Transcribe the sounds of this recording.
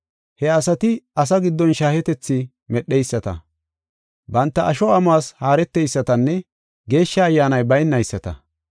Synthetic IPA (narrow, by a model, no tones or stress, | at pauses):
hɛɐsɐt̪ɪɐs̬ɐɡɪd̪ːɔnʃaːhɛt̪ɛt͡sːɪ | mɛɗːɛjsːɐt̪ɐ̰ | bɐnt̪ːɐʔɐʃɔɐmaːshaːɾɛt̪ːɛjsːɐt̪ɐnːɛ | ɡe̞ːʃːɐːjːaːnɐjbɐjnːɐjsːɐt̪ɐ̰